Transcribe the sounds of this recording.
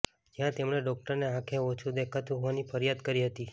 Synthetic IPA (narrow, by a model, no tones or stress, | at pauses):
d͡ʒjãt̪emɳeɖɔk̚ʈəɾneɦãkʰeot͡ʃʰud̪ekʰət̪uɦoʋanipʰəɾjad̪kəɾiɦət̪i